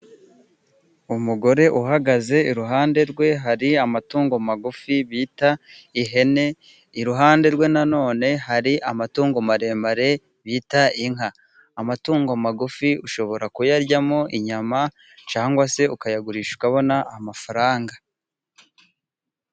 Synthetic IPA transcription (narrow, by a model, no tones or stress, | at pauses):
umuɡo̞ɾe̞ʔuɦaɡaze̞iɾuɦaːnde̞ɾɡwe̞ɦaɾiamatuːŋɡo̞maɡufiβiːta | iɦe̞ne̞ | iɾuɦaːnde̞ɾɡwe̞nano̞ːne̞ɦaɾiʔamatuːŋɡo̞maɾe̞ːmbaɾe̞ | βitaiŋɦaː | matuːŋɡomaɡufiuʃo̞βo̞ɾakujaɾɟamoʔiɲama | t͡ʃaːŋɡwase̞ukajaɡuɾiːʃu̥kaβo̞naʔːmafaɾaːŋɡa